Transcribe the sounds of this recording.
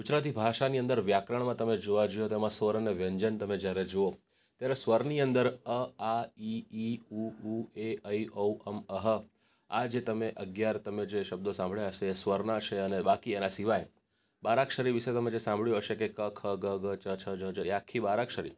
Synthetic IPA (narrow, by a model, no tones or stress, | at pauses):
kut͡ʃɾat̪ibʱaʃaniə̃nd̪əɾʋjakɾəɳ̃mãt̪əmed͡ʒoʋad͡ʒijot̪emãsʋəɾəneʋjəɲd͡ʒənt̪əmed͡ʒjaɾed͡ʒoo | t̪jaɾesʋəɾniənd̪əɾəaiiuueəjouʔəməɦə | ad͡ʒet̪əmeʔəɡjaɾt̪əmed͡ʒeʃəb̚d̪osãmbʱɭeɦəʃeːsʋəɾnat͡ʃʰeənebakienasiʋaj | baɾakʃəɾiʋiʃet̪əmẽd͡ʒesãmbʱɭjoɦəʃekekəkʰəɡəɡət͡ʃət͡ʃʰəd͡ʒəd͡ʒəeakʰːibaɾakʃəɾḭ